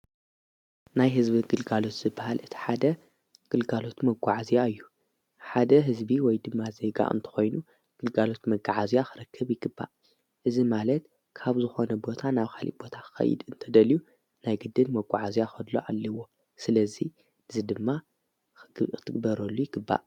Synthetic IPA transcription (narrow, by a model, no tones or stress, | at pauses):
najɦɨzbiɡɨlɡalo̞t̪z̥ɨbːahalʔɨt̪ʰi̥ħad̪ɐ | ɡ̥ɨlɡalo̞t̪mɐɡʷaʕazijaɨjːu | ħad̪ɐɦɨzbiwɔjd̪ɨmːaze̞ɡa̰ʔɨ̰nt̪ʰɐ̥xo̞jnu | ɡ̥ɨlɡalo̞t̪mɐɡaʕazijaxɨɾɐkʰːɐβjɪɡɨbːa̰ʔ | ʔɨzimalɐt̪̚ | kʰaβzɨxo̞nɐbo̞t̪ʰanaβxalḭb̥o̞t̪ʰaxɨ̥xɐ̰jɪ̰d̪ɨnt̪ʰɐd̪ɐliju | najɡɨd̪ːɨlmɐɡʷaʕazijaxɐd̪lo̰ʔalːɐwo̞ | sɨlɐzi | ʔɨzid̪ɨmːa | ɨ̥t̪ʰɨɡ̚bɐɾɐlːujɪɡ̥ɨbːa̰ʔ